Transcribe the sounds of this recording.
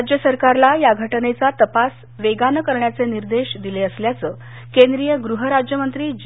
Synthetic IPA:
d͡ʑjəsəɾkaɾlajaɡʱəʈnet͡sat̪əpas | ʋeɡanəkəɾɳjat͡seniɾd̪eɕd̪ileəsljat͡səː | kend̪ɾijəɡɾuɦəɾad͡ʑjəmənt̪ɾiːd͡ʑ

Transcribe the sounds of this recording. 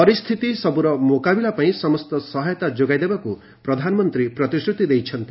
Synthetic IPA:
pɔɾist̪ʰit̪isɔbuɾɔmokabilapaĩsɔmɔst̪ɔsɔɦajɔt̪ad͡ʒoɡajd̪ebaku | pɾɔd̪ʱanɔmɔnt̪ɾipɾɔt̪isɾut̪id̪ejt͡ʃʰɔnt̪i

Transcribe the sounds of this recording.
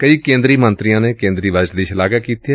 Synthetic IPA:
kəiːkẽːnd̪ɾiːmənt̪ɾijãːneːkẽːnd̪ɾiːʋaːd͡ʒd̪iːʃɪlaːɡaːkiːt̪ːɛː

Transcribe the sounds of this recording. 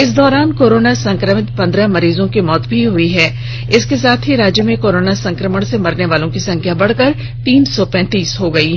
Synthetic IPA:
ɪs̬d̪ɔːɾaːnkoːɾoːnasɐ̃ŋkɾəmɪt̪pɐ̃nd̪ɾəmɐɾiːzõkimɔːt̪bʱiɦʊiɦɛː | ɪskesaːt̪ʰɦiɾaːd͡ʒjəmẽkoːɾoːnasɐ̃ŋkɾəməɽ̃semɐɾneʋaːlõkisɐ̃ŋkʰjabɐɽ̤kəɾ | t̪iːnsɔpɛ̃ːt̪iːsɦoɡɐiː

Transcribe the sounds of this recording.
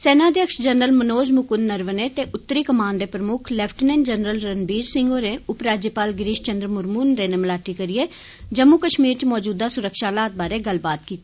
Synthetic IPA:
sɛːnãːəd̪jəkʃd͡ʒənɾəlmənoːd͡ʒmʊkʊnːəɾʋəneːt̪eːʔʊt̪ːəɾiːkəmaːnd̪eːpɾəmʊkʰlɛːpʰʈnɛ̃ːnd͡ʒənɾəlɾənbiːɾsɪŋɡoːɾeːʊpɾaːd͡ʒjəpaːlɡɾiːʃt͡ʃənd̪ɾmʊɾmuːnd̪eːnemlaːʈiːkəɾieː | d͡ʒəmːukəʃmiːɾt͡ʃmɔːd͡ʒuːd̪aːsʊɾəkʃaːlaːt̪̚baːɾeːɡəlbaːt̪̚kiːt̪ː

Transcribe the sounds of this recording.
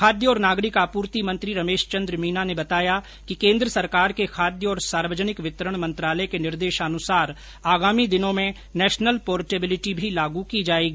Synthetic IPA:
kʰaːd̪jəɔːɾnaːɡɾɪkapuːɾt̪imɐ̃nt̪ɾiɾɐmeːʃt͡ʃɐ̃nd̪ɾəmiːnanebɐt̪aːja | kikẽːnd̪ɾəsɐɾkaːɾkekʰaːd̪jəɔːɾsaːɾʋəd͡ʒənɪkʋɪt̪ɾəɽ̃mɐ̃nt̪ɾaːləekenɪɾd̪eːʃaːnʊsaːɾ | aːɡaːmid̪ɪnõmẽ | nɛːʃnəlpɔːɾʈeːbɪlɪʈibʱilaːɡukid͡ʒaːeːɡi

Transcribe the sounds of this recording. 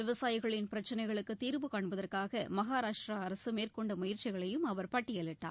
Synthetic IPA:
ʋɪʋɐsaːjɪɣɐɭɪnpɪɾɐt͡ʃːɐnɐɪɣɐɭɯkːɯt̪ːiːɾbɯkaːɳbɐðɐrkaːɣɐmɐɣaːɾaːʂʈɾɐɐɾɐsɯmeːrkɔɳɖɐmʊjɪɾt͡ʃːɪɣɐɭɐjɯmɐʋɐɾpɐʈːɪjɐɭɪʈːa̰ː

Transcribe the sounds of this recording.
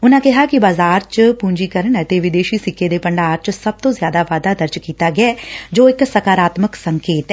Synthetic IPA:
ʊnãːkɪɦaːkɪbaːzaːɾt͡ʃpuːɲd͡ʒiːkəɾəɳɛːt̪eːʋɪd̪eːʃiːsɪkʰːeːd̪eːpəɳɖaːɾt͡ʃsəb̚t̪õːzjaːd̪aːʋaːd̪aːd̪əɾd͡ʒkiːt̪aːɡɪɛːd͡ʒoːɪksəkaːɾaːt̪məksəŋkeːt̪ɛː

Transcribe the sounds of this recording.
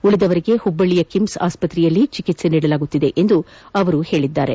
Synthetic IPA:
uɭid̪ɐʋɐɾiɡe̞hubːɐɭijɐkimsa̰ːspɐt̪ːɾɛjɐlːit͡ʃikit̪se̞niːɽɐlaːɡut̪ːid̪e̞ʔend̪uɐʋɐɾuhe̞ːɭid̪ːaːɾe̞̰

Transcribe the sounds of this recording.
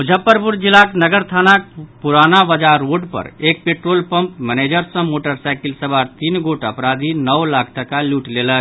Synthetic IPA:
ud͡ʒʱəpːəɾpuɾd͡ʒilaknəɡəɾt̪ʰanak̚puɾanabəd͡ʒaɾoɖpə̰ɾek̚peʈɾolpəmpmɛned͡ʒəɾsə̃moʈəɾsaɪkilsəbʱaɾt̪inɡoʈəpɾad̪ʱinəwlak̚ʰt̪əkaluʈlelə

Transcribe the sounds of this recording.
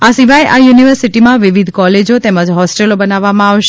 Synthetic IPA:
asiʋajʔajuniʋəɾsiʈimãʋiʋid̪ʱkɔled͡ʒot̪eməd͡ʒɦɔsʈelobənaʋːamãaʋʃ

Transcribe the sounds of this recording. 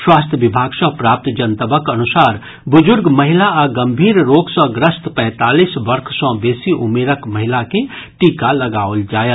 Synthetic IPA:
swaːst̪ʰjəʋɪbʱaːɡsɔ̃pɾaːp̚t̪d͡ʒənt̪əbəkɐnʊsaːɾ | bʊd͡ʒʊɾɡməɦɪlaaɡə̃mbʱiːɾɾoːɡsɔ̃ɡɾəst̪pɛ̃ːt̪aːliːsʋəɾkʰsɔ̃beːsiʔʊmeːɾəkməɦɪlakeʈiːkalɐɡaːold͡ʒaːjət̪

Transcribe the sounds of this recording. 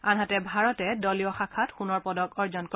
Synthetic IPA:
anɦatɛbʱaɹɔtɛdɔlijɔxakʰatxunɔɹpɔdɔkɔɹzɔnkɔ

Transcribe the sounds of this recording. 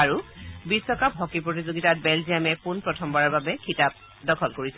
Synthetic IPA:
aɹubisːɔkapɦɔkipɹot̬izoɡitat̚bɛlziamɛpunpɹɔtʰɔmbaɹaɹbabɛkʰitap̚ | dɔkʰɔlkoɹisɛ

